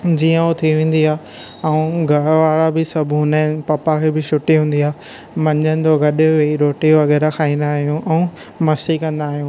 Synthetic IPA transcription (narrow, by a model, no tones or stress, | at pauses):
d͡ʑiːə̃ut̪ʰiʋẽːn̆d̪iaː | ɛũɡʱɐɽʋaːɭabɪsɐbʱɦʊnəɪ̃pɐpakʰeːbɪʃʊʈiɦũːn̆d̪iaː | mɐ̃ɲd͡ʑənɪ̆d͡ʑoɡɐɗʊʋeiɾoːʈioʋɐɡɛːɾaxʰaːĩːnd̪aːɦijũʔɛ̃ũ | mɐsikɐ̃nd̪aːɦijũː